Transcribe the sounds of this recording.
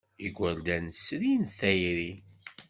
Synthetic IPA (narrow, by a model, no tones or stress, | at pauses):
iɡʷæld̪ænsɾinθæjɾi